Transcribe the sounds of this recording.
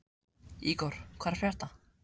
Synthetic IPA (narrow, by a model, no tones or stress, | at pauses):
ikɔɾ̥kʰvaːɾ̥fjar̥t̪a